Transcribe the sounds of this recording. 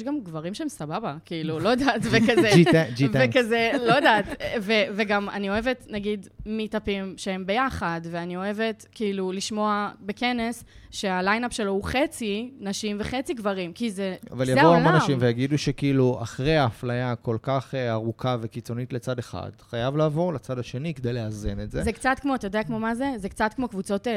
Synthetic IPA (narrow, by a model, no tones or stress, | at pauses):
jʃɡamɡvaʁimʃeemsababakiilulo̞d̪aːt̪vekazed͡ʒivekazelodaːt̪veveɡama̰nio̞evetnaɡidmitapimʃee̞mbe̞jaχadveanio̞e̞ve̞tkiiluliʃmo̞abe̞ke̞ne̞sʃe̞alajnapʃe̞lo̞uχe̞t͡sinaʃimveχet͡siɡvaʁimkizea̰valjavouamonnaʃimvejaɡiduʃekiilua̰χʁeaːflajako̞lkaχeaʁukʰavekit͡so̞nitle̞t͡sadeχa̰d̥χajavlaːvo̞ʁlat͡sadaʃe̞niked̪ejleazenetzezekt͡satkmoatajodeakmo̞mazezekt͡satkmo̞kvut͡so̞t